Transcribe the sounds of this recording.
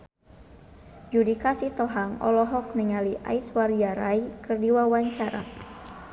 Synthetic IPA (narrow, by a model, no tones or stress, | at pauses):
d͡ʒudikasit̪ɔɦaŋɔ̰lɔɦɔk̚niŋaliʔa̰iswariaɾaikɨrdiwawaɲt͡ʃaɾa̰